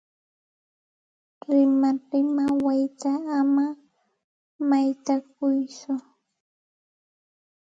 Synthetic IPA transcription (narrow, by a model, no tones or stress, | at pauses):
ɾɪmaɾɪmawajt̪aːma | majt̪ak̚ʊjsʊ